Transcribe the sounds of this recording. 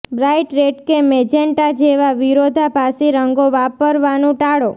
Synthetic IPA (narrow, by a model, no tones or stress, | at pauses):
bɾajʈɾeʈkemed͡ʒeɳʈad͡ʒeʋaʋiɾod̪ʱapaseɾəŋɡoʋapəɾʋanũʈaɽo